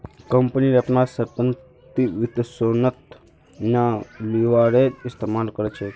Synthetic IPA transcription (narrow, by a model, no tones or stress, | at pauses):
kəmpəniɾapnasəɾpən | t̪iʋɪt̪sonət̪ | naliʋaɾeɪst̪emalkəɾet͡ʃʰe